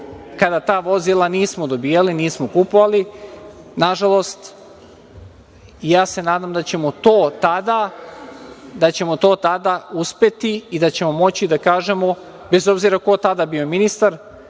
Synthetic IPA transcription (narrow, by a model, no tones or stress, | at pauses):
kad̪at̪aːʋo̞zilˠaniːsmod̪o̞biːjaliniːsmokupoʋali | naʒalˠo̞st̪ | ijaːse̞naːd̪amd̪at͡ɕe̞mot̪oːt̪ad̪a | d̪at͡ɕe̞mo̞t̪oːt̪ad̪auspe̞t̪iːd̪at͡ɕe̞mo̞mo̞t͡ɕid̪akaːʒe̞mo̞ | be̞zo̞bziɾako̞t̪ad̪abio̞minist̪aɾ